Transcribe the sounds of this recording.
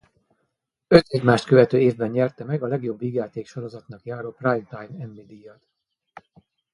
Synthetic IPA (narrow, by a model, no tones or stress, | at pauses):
øt̪ɛɟmaːʃt̪kø̞vɛt̪øːeːvbɛnɲɛrt̪ɛmɛɡɒlɛɡjo̞bviːɡjaːt̪eːkʃoɾo̞zɒt̪n̪ɒkjaːɾoːprajmt̪ajmɛmːid̪ijɒt̪